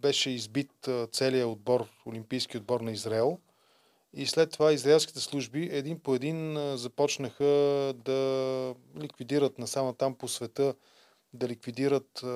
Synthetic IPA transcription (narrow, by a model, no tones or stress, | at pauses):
bɛʃɛizbit̪t̪sɛlijəod̪̚bɔɾolimpijskʲiod̪̚bɔɾnɐizɾaɛlˠ | islɛt̪ːovaizɾɐɛlˠskʲi̥t̪ɛslˠuʒbiʔɛd̪inpoɛd̪inzɐpɔt͡ʃnəxəd̪ɐ | likvid̪iɾət̪nɐsamət̪amposvɛt̪ɤ | d̪ɐlikvid̪iɾət̪